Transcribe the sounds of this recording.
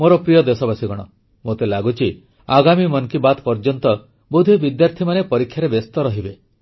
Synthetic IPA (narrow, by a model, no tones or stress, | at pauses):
moɾɔpɾijɔd̪esɔbasiɡɔɽ̃ɔ | mot̪elaɡut͡ʃʰi | aɡamimɔnkibat̪pɔɾd͡ʒɔnt̪ɔ | bud̪ʱibid̪jaɾt̪ʰimanepɔɾikʰːjaɾebest̪ɔɾɔɦibe